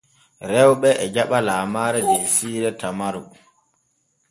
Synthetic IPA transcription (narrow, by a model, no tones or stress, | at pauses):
ɾɛwɓɛʔɛd͡ʒaɓalaːmaːɾɛdesiːɾɛtamaɾu